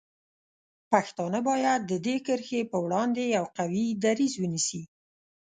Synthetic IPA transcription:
paxt̪ɑnəbɑjad̪̚ːəd̪ekəɾxepəwɽɑnd̪ejawqawid̪aɾizwənisi

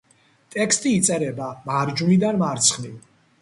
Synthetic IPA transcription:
t̪ʼɛkʰst̪ʼiːt̪sʼɛɾɛbamaɾd͡ʒunid̪anmaɾt̪sʰχni

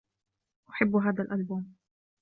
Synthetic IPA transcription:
ʔʊħɪbːɦaːd̪alʔalbuːm

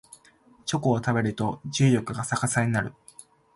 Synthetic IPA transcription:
t͡ɕo̞ko̞ːt̪abe̞ɾɯ̟t̪o̞ʑɨːjo̞kɯ̟ɡasakasaɲ̟inaɾɯ̟

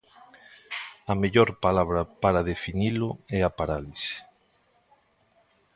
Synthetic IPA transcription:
ɐmeʎoɾpalaβɾɐpaɾaðefinilʊɛapaɾalise̥

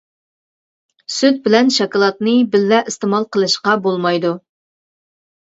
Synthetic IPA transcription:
syt̪̚bɪlɛnʃɑkɑlˠɑt̪̚nɨbɪlːɛʔist̪ɪmɑlˠqʰəlˠɨʃqɑbolˠmɑjd̪u

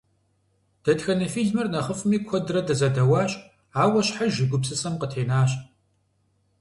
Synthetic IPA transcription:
d̥ɐtxɐnɐfiːɮmɨrnɐχəfɨmiːkʷʰɔdrɐdɐzɐdɐwaːɕ | aːwɐɕħaʒɪɡʷʊpsɨsɐmqətʰeːnaːɕʼ

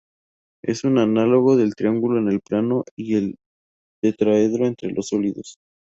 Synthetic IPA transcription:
e̞sunanalo̞ɣo̞ðe̞lt̪ɾiaŋɡulo̞ene̞lplano̞iel | d̪̥et̪ɾaeðɾo̞e̞nt̪ɾe̞lʔosoliðo̞s

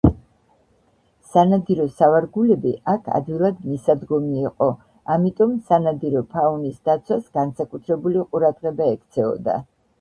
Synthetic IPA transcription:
sanad̪iɾɔsavaɾɡulɛbiʔakʰa̰d̪wilˠad̪misad̪ɡɔmiːqʼɔ | amit̪ʼɔmsanad̪iɾɔpʰaunisd̪at̪sʰwasɡ̥ansakʼut̪ʰɾɛbuliqʼuɾad̪ʁɛbaɛkʰt̪sʰɛɔ̰d̪a̰

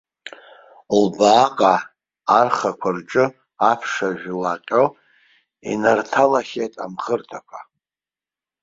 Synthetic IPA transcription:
lbaːkʼaː | rχakʷʰarʈ͡ʂʼɨ | apʰʂaʒᶣlaqʲʼo | ḭnartʰalaχʲejtʼa̰mχərtʰakʷʰa

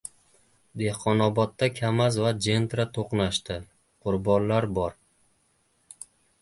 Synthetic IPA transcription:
d̪e̞hqʰɒnɒbɒt̪ːakʲʰamazvad͡ʒe̞nt̪ɾat̪ʰoqnaʃt̪ɪ | qʰʊɾbɒnlaɾbɒɾ

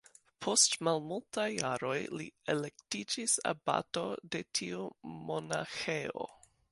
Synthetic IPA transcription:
pʰo̞stmalmultajːaɾo̞jlḭele̞k̚tid͡ʒisa̰ba̰to̞de̞tʰiumo̞naxeo̞̰

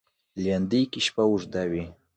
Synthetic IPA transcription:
lʲand̪ijkiɕpauʐd̪awi

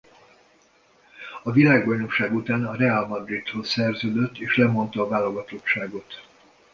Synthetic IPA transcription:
ɒvilaːɡbɒjno̞kʃaːɡut̪aːnɒɾɛalmɒd̪rit̪ho̞ssɛrzøːd̪øt̪ːeːʃlɛmo̞nt̪ɒːvaːloɡɒt̪o̞t͡ʃːaːɡo̞t̪

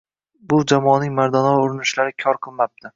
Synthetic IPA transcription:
bʊd͡ʒamɒnɪŋmaɾd̪anɒʊɾɪnɪʃlaɾɪkʲʰɒɾqʰɨlˠmap̚t̪ʰɪ

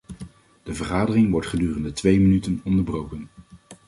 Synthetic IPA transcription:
d̥əvəɹχaːdərɪŋʋɔɹtχədyːrəndətʋejmənytənɔndəɹbrowkən

